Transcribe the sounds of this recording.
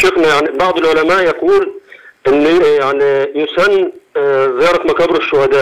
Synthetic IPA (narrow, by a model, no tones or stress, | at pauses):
ʃʊxnajaʕnibɑʕd̪ˤɪlʕʊlamaːʔjɑquːlʔɪnːjaʕnijʊsanː | zɑːɾˤɑkmakæːbɾɪʃːʊhad̪aːʔ